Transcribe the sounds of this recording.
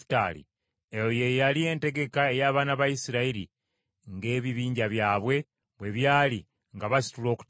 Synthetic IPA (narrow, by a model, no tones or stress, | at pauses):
ta̰ːlḭ | ejoje̞jalie̞ːnte̞ɡe̞kae̞jaːβaːnaβajisiɾaiɾḭ | ŋɡe̞ːβiβiːɲɟaβjaːβwe̞ | βwe̞βjaːli | ŋɡaβasi̥tulo̞ːku̥